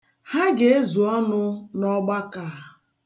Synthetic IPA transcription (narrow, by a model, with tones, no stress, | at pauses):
ha˦ɡe˨˦e˦zu˨ɔ˦nʊ˦nɔ˦ɡ͡ba˦kaː˨